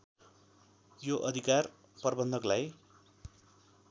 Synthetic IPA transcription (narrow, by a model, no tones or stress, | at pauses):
joʔʌd̪ʱikar | pʌrbʌnd̪ʱʌklaj